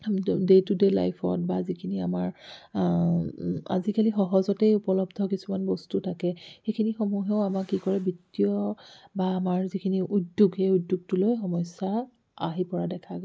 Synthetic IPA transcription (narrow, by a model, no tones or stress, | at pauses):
detudela̰jpʰɔ̰t̚bazikʰiniamaɹ | a̰zikalixɔɦɔzɔtejupɔlɔbdʱɔkisumanbɔstutʰakɛxejkʰinixɔmuɦɛʊamakːikɔɹɛbitːiɔbaːmaɹzikʰiniʔudjuɡhejudːjuɡ̚tʊlojxɔmɔsa | aɦipɔɹadɛkʰaɡɔ